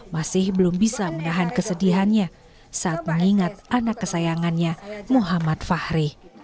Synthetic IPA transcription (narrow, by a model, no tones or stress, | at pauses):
masɪhbəlʊmbisamənaɦankəsədiɦanɲa | saːt̪̚məŋiŋat̪̚ʔanakːəsajaŋanɲamuɦamat̪̚fahɾi